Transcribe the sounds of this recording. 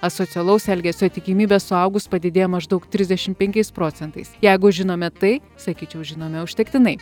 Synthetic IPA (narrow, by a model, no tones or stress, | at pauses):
ɐsoːsʲɪɛlˠɐʊsɛlʲɡʲɛsʲot̪ʲɪkʲiːmʲiːbʲɛsʊɐʊɡʊspɐd̪ʲɪd̪ʲeːjomɐʒd̪ɐʊkt̪ʲɾʲɪzʲd̪ʲɛʃʲɪmpʲɛŋʲkʲɛɪspɾoːt͡s̪ʲɛnt̪ɐɪsjɛɪɡʊʒʲɪnoːmʲɛt̪ɐɪ | sɐkʲiːt͡ʃʲɛʊʒʲɪnoːmʲɛʊʃʲt̪ʲɛkt̪ʲɪnɐɪ